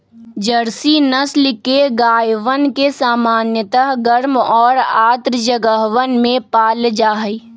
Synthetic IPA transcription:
d͡ʒəɾsinəslɪkeɡaːjʋənkesaːmaːnjət̪əɦɡəɾmɔːɾaːt̪ɾəd͡ʒəɡəɦʋənmẽpaːld͡ʒaːɦi

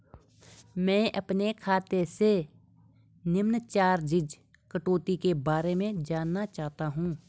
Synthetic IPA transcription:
mɛ̃ːʔɐpnekʰaːt̪ese | nɪmnət͡ʃaːɾd͡ʒɪd͡ʒ | kəʈoːt̪ikebaːɾemẽd͡ʒaːnːat͡ʃaːɦt̪aɦũː

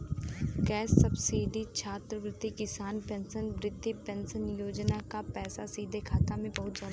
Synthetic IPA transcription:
kɛːsːəbsiːɖit͡ʃʰaːt̪ɾəɡɾɪt̪ːikɪsaːnpɛ̃nsənʋɾɪd̪ʱːipɛ̃nsənjoːd͡ʒnakapɛːsasiːd̪ʱekʰaːt̪amẽbɐɦʊt̪zjaːd̪a

